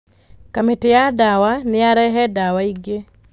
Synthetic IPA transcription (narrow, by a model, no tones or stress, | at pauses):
kametejadawaneaɾɛɦɛdawaiɡe